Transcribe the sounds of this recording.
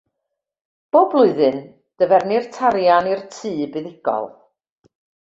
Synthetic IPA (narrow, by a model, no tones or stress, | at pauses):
b̥oːblˠʊɨðɨn | d̥əvɛrnirtʰaɾjanirtʰɨːbɨðɪɡɔ̰lˠ